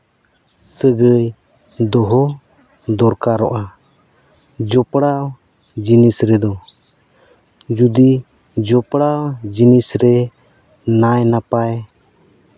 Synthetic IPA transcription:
səɡəj | d̪ɔɦɔ | d̪ɔɾkaɾɔʔa | d͡ʒɔpɽaw | d͡ʒinisɾɛd̪ɔ | d͡ʒud̪i | d͡ʒɔpɽawd͡ʒinisɾɛ | najnapaj

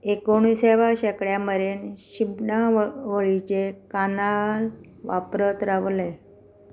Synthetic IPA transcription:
ekoɳ̃iseʋaɕekɭjaməɾenɕipnaʋəɭit͡ɕekanal | ʋapɾət̪ɾaʋle

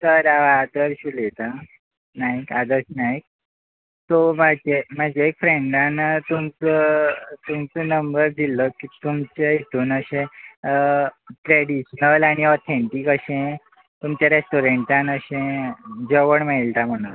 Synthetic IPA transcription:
səɾaʋaːd̪əɾɕulet̪a | naɦikad̪əɾɕnaik̚ | t̪omad͡ʑemad͡ʑeːkfɾeɳɖant̪umt͡sət̪umt͡sənəmbəɾd̪ʱiləkit̪umt͡ɕeɦit̪uːnəɕẽ | ʈɾeɽiɕnəlaɽ̃iɔt̪ʰeɳʈikəɕẽ | t̪umt͡ɕjaɾesʈuɾeɳʈãnəɕẽd͡ʑəʋəɳmeilt̪am̤əɽ̃un

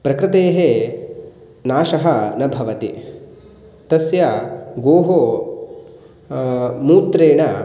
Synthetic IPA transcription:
pɾɐkɾɪt̪eːɦe | naːʃɐɦɐnɐbʱɐʋɐt̪i | t̪ɐsjɐɡoːɦoː | muːt̪ɾeːɳɐ

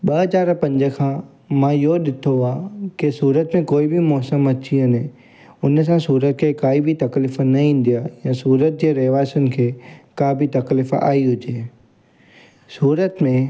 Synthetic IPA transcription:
ɓɐɦɐzaːɾpɐ̃ɲd͡ʑə̆kʰãː | mãːɪɦoɗɪt̪ʰoaːkɪsuːɾət̪mẽkoːibʱɪmɔːsəmɐt͡ɕiɐne | ʊns̬ãsuːɾət̪̚kʰeːkaːibʱit̪ɐklɪfnɐĩːn̆d̪ijajãsuːɾət̪̚d͡ʑeːɾɐɦʋaːɪsʊnɪ̆kʰeːkaːbit̪ɐklɪfa̰ːiɦʊd͡ʑeː | suːɾət̪mẽ

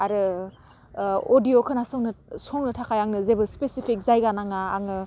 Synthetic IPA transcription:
aɾɯ | odijokʰɯnasɔŋnɯsɔŋnɯtʰakʰajaŋɯzebɯspesipʰik̚zajɡanaŋa̰ːŋɯ

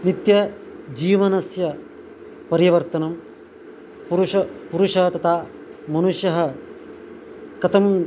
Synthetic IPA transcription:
nit̪jɐ | d͡ʒiːʋɐnɐsjɐ | pɐɾiʋɐɾt̪ɐnɐm | puɾuʃɐpuɾuʂɐɦɐt̪ɐt̪ʰaː | mɐnuʂjɐɦɐ̆ | kɐt̪ʰɐm

